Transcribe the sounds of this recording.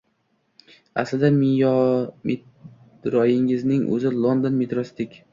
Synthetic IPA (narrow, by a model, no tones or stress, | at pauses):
a̰slɪd̪amijɒmɪt̪ | ɾɒjɪŋɪznɪŋʔɵ̰zɪlˠond̪onmet̪ɾosɪd̪ɪkʲ